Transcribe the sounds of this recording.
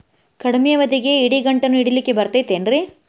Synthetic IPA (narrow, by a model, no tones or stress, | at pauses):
kɐɽimijɐʋɐd̪iɡe̞iɽiɡɐɳʈɐnːuiɽilikːebɐɾt̪ɐjt̪eːnɾi